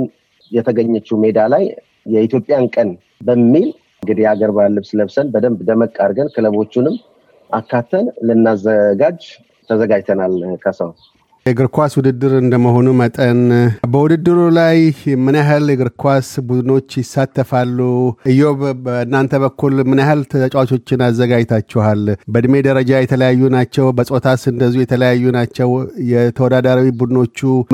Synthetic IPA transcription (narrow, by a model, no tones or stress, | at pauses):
n | jɛt̪ʰəɡəɲːɛt͡ʃːumed̪alaj | jɛit̪ʰjopʼɪjankʼən | bəmːil | ŋɡɨd̪ijaɡəɾbalːəβsɨləβsənbəd̪əmbd̪əməkʼːaɾɡənkʰɨləβo̞t͡ʃːunɨmː | ʔakːat̪ʰːənlɨnːazəɡad͡ʒ | t̪ʰəzəɡad͡ʒt̪ʰənalkʰəsəw | jɛɡɨɾkʰʷaswʊd̪ɨd̪ːɨɾɨnd̪əməɦo̞numət̪ʼənbəwʊd̪ɨd̪ːɨɾulajmɨnaɦɨljɛɡɨɾkʰwasbud̪ɨno̞t͡ʃːjɪsːat̪ːəfalːuɨjo̞βbəɨnːant̪ʰəβəkːulmɨnahɨlt̪ʰt͡ʃʼwat͡ʃʰo̞t͡ʃːɪnazːəɡad͡ʒt̪ʰat͡ʃːɛhalbəd̪ɨme̞d̪əɾəd͡ʒajɛt̪ʰələjajːunat͡ʃːɛwbəsʼo̞t̪ʰasɨnd̪əzːiujɛt̪ʰələjajːunat͡ʃːɛwjɛt̪ʰəwɔd̪ad̪aɾawibud̪ɨno̞t͡ʃːu